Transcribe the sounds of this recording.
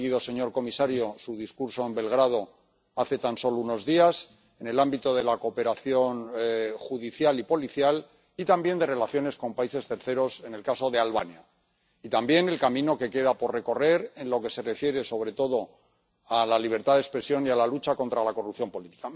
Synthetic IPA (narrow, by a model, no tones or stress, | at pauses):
ɣiðo̞se̞ɲo̞ɾko̞misaɾjo̞suðiskuɾso̞e̞mbe̞lɣɾað̞o̞ | aθe̞t̪anso̞louno̞zðias | e̞ne̞lambit̪o̞ðe̞lako̞pe̞ɾaθjo̞nxuðiθjalipo̞liθjal | it̪ambje̞nd̪e̞re̞laθjo̞ne̞sko̞mpaise̞st̪e̞ɾθe̞ɾo̞se̞ne̞lkaso̞ðealβanja | it̪ambje̞ne̞lkamĩno̞ke̞ke̞ðapo̞ɾre̞ko̞re̞ɾe̞nlo̞ke̞se̞re̞fje̞ɾe̞so̞β̞ɾe̞t̪o̞ðo̞ | alaliβ̞e̞ɾt̪aðespɾe̞sjo̞nialalut͡ʃako̞nt̪ɾalako̞rupθjo̞mpo̞lit̪i̥ka